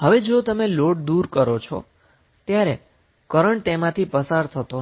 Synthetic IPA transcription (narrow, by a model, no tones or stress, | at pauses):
ɦəʋed͡ʒot̪əmeloɽd̪uɾkəɾot͡ʃʰɔ̰ | t̪jaɾe | kəɾəɳʈ̚t̪emãt̪ʰipəsaɾt̪ʰət̪o